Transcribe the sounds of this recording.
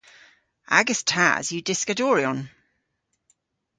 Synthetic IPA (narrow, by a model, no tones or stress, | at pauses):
a̰ɡəstʰa̰ə̰zjədɪskədɔːɹiɔ̃n